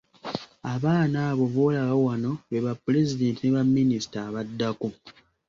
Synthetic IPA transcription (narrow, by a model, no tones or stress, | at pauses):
aβaːnaːβo̞volaβawano̞βeβapːule̞zide̞ːntineβamːinisi̥taːβadːaku